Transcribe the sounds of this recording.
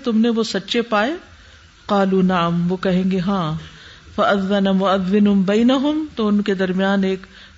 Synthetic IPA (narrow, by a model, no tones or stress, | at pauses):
t̪ʊmneʋosɐtːʃepaːe | qaːluːnɐʕəmʋoːkɐɦẽːŋɡeɦãː | fɐʔɐðːɐnamʊɐðːɪnʊbɐːnɐɦʊmt̪oʊnked̪ɐɾmijaːneːk